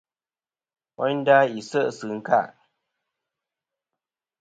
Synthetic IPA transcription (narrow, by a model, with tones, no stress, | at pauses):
ʔɔ˦n˦da˦i˨sə˦ʔsɨ˨ŋ̩˦ka˦˨ʔ